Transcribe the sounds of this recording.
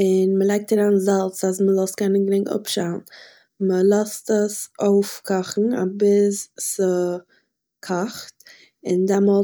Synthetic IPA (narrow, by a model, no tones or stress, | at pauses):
ɪnməlˠaɪk̚taɾaːnzalˠt͡sas̬məlˠɔstkɛnənɡɾɪŋʊ̰pʃan̩ | məlˠastəsoʊfkʰɔχn̩a̰bɪssə | kʰɔχt | ɪndɛmɔlˠ